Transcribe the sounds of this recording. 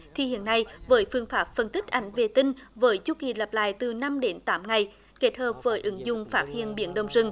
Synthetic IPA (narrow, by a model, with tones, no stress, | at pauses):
t̪ʰi˨˩hḭ˧˨ənːa˧jvəː˨˦jfɨ˧əŋfaː˦˥p̚fə˨˩nt̪ï˦˥k̚ʔa˨˩˦jŋ̟ve˨˩t̪ï˧ŋ̟vəː˨˦jt͡ɕu˧ki˨˩lə˨˩p̚la̰ː˧˨jt̪ɨ˨˩na˧mɗe˨˦nt̪aː˨˦mŋa˨˩j | ke˦˥t̚həː˨˩p̚vəː˨˦jʔɨ˨˦ŋzʊ̰˧˨ŋ͡mfaː˦˥t̚hḭ˧˨ənɓi˧˦ənɗə˨˩wŋ͡mzɨ˨˧˩ŋ